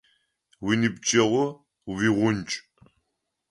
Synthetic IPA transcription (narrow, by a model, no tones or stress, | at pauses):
winibt͡ʃʼɐʁʷʊ | wiʁʷʊnt͡ʃʼ